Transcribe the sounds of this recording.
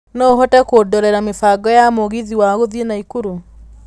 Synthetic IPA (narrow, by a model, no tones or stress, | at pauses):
nɔɦɔtɛkoːdɔɾɛɾamefaɡɔjamoɣiðiwaɣoðienaikuɾu